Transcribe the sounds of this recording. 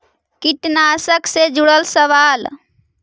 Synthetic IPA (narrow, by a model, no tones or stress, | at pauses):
kiʈnaːsəksed͡ʒuɽəlsəʋaːl